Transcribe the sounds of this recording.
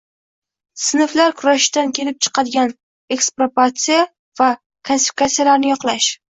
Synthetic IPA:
sɪnɪflaɾkʰʊɾaʃd̪ankʲʰe̞lɪp̚t͡ʃʰɨ̥qʰɑd̪ɪɡʲan | e̞kspɾopat̪sija | va | kʰonsɪ̥fikat̪sijalaɾnɪjɒqlˠaʃ

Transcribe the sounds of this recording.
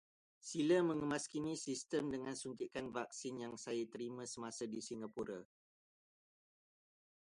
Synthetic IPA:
silamə̃ŋəmaskinisist̪əmdəŋansuŋkikanvak̚sinjaŋsajat̪əɾimãsəmasadisiŋɡapuɾa

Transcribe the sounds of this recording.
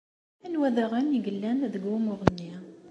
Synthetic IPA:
ænwæðaʁəniɡəlːænðəɡwumʊʁˤənːi

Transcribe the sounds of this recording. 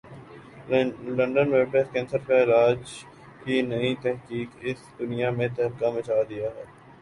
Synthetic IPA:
lɐ̃ɳɖənʋeːbɖeskɛ̃ːnsəɾkaɪlaːd͡ʒ | kinɐĩt̪ɛɦkiːkɪsd̪ʊnijamẽt̪ɛɦɾɪkamɐt͡ʃaːd̪ijaɦɛː

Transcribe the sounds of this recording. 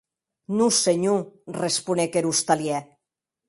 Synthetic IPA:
nuseɲurespunekeɾust̪aljɛ

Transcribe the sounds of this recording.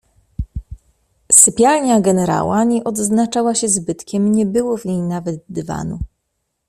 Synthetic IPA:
sɘpʲjalɲaɡɛnɛɾa̰waɲɛʔɔd̪znat͡ʂawaɕɛzbɘt̪kʲɛmɲɛbɘwɔvɲejnavɛd̪̚d̪ɘva̰nu

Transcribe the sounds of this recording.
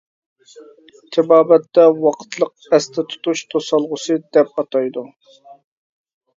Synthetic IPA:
t̪ʰɪbɑːbɛt̪ːɛwɑqʰə̥t̪ʰlˠəq̚ɛst̪ʰɛt̪ʰu̥t̪uʃt̪ʰosɑlˠʁʊsɨd̪ɛp̚ɑt̪ʰɑjd̪u

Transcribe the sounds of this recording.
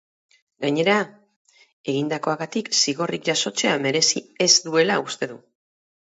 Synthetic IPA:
ɡaɲe̞ɾa | e̞ɣind̪ako̞aɣat̪iksiɣo̞rik̚ʝaso̞t͡se̞ame̞ɾe̞sie̞zd̪ue̞laust̪e̞ðu

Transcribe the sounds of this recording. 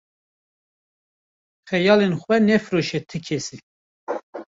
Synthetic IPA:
xɛjɑːlenxʷwɛnɛfɾoʃɛt̪ʰɨkʰɛsi

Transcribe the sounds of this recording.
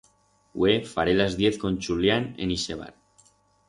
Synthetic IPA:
wefaɾelazðje̞θko̞nʲt͡ʃuljanḛniseβ̞a̰ɾ

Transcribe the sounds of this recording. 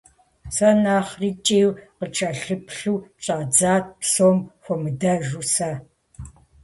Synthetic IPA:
sɐnaːχrit͡ʃʼeːwqət͡ʃʼɐɬɨpɬuːɕʼaːd͡zaːt̚ʰpsoːmxʷɔmɨdɐʒusɐ

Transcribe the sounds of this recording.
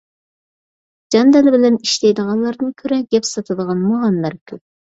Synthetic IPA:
d͡ʒɑnd̪ɛlɪbɪlɛniʃlɛjd̪əʁɑnlˠɑɾd̪ɨnkʲʰøɾɛɡʲɛpsɑt̪ʰɨd̪əʁɑnmoʁɑnlˠɑɾkʲʰøp̚

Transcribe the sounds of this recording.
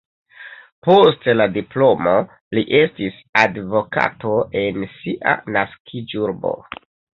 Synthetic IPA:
po̞stladiplo̞mo̞ | liʔe̞stis | advo̞ka̰to̞ʔe̞nsiʔa̰naskʰid͡ʒuɾbo̞̰

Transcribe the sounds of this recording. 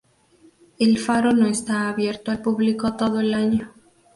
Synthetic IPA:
elfaɾonõest̪aːβjeɾt̪oalpuβlikot̪oðoelaɲo

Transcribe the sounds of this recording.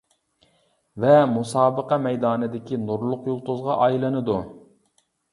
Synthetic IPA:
vɛmusɑːbəqɑmɛjd̪ɑːnɨd̪ɪkʲʰinuɾlˠʊqjulˠt̪ʊzʁɑʔɑjlˠɨnɨd̪u

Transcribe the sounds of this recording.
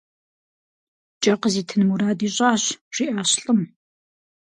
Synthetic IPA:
t͡ʃʼɐqəziːtʰɨnmuɾaːdiːɕʼaːɕɕʷiːʔaːɕɬʼɨm

